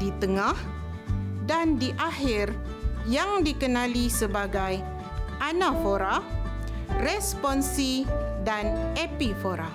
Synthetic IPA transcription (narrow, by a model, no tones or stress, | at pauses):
dit̪əŋah | dandiʔahɪr | jaŋdikənãlisəbaɡaj | ʔanafoɾa | rɛspɔnsidanepifoɾa